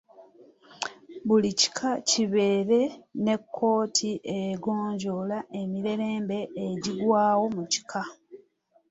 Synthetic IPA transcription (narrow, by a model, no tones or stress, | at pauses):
βulici̥kʰaciβe̞ːɾe̞ne̞kʰːo̞ːtʰiʔeɡo̞ːɲɟo̞laʔe̞miɾe̞ɾe̞ːmbe̞ːɟiɡwaːwo̞muci̥kʰa